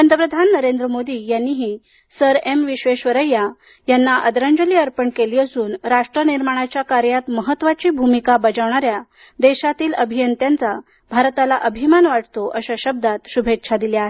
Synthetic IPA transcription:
ənd̪əpɾəd̪ʱanːəɾend̪ɾəmod̪iːjanːiɦiː | səɾemʋiɕʋeɕʋəɾəjːa | janːaʔəd̪ɾaɲd͡ʑəliːəɾpəɳkeliːəsuːnɾaʂʈɾəniɾmaɽ̃at͡ɕjakaɾjat̪məɦət̪ːʋat͡ɕiːbʱumikabəd͡ʑəʋɳ̃aɾja | d̪eɕat̪iːləbʱijənt̪jant͡sa | bʱaɾt̪alaʔəbʱimanʋaʈ̚ʰt̪oʔəɕaɕəb̚d̪at̪ɕubʱet̪ːɕʰad̪iljaɦe

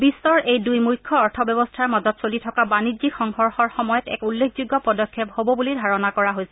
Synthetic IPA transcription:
bisːɔɹʔejdujmujkʰːɔɔɹtʰɔbɛbɔstʰaɹmazɔtsolitʰɔkabanizikxɔŋhɔɹxɔɹxɔmɔjɔtɛ̰kulːekʰzuɡːɔpɔdɔkʰːephobɔbulidʱaɹɔnakɔɹaɦojsɛ

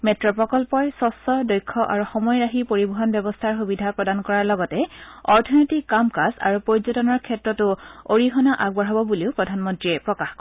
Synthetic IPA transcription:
mɛtɹɔpɹɔkɔlpɔjsɔsɔdɔjkʰːɔʔaɹuxɔmɔjɹaxipoɹibuɦɔnbjɔbɔstʰaɹxubidʱapɹɔdankɔɹaɹlɔɡɔtɛɔɹtʰɔnotikːamkasa̰ɹupoɹzɔtɔnɔɹkʰɛtɹɔtʊoɹixɔnaʔaɡ̚bɔɹɦabɔbuliʊpɹɔdʱanmɔntɹiɛpɹɔkaxkɔ

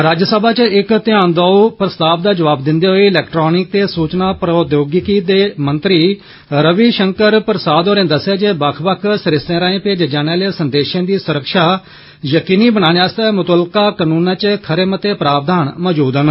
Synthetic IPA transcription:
ɾaːd͡ʒsəbaːt͡ʃɪkt̪ɪãːnd̪aːpɾəst̪aːb̚d̪aːd͡ʒəʋaːbd̪ɪ̃nd̪eːɦoːiːɪlɛːkʈɾoːnɪk̚t̪eːsuːt͡ʃnaːpɾoːd̪joːɡɪkiːd̪eːmənt̪ɾiː | ɾəʋiːʃəŋkəɾpɾəsaːd̪oːɾẽːd̪əsaːd͡ʒeːbəkʰbəkʰsəɾɪsẽːɾaːẽːpeːd͡ʒd͡ʒaːneaːleːsənd̪eːʃãːd̪iːsʊɾəkʃaː | jəkiːniːbənaːneaːst̪ɛːmʊt̪əlkaːkənũːnãːt͡ʃkʰəɾeːmət̪eːpɾaːb̚d̪aːnmɔːd͡ʒuːd̪ən

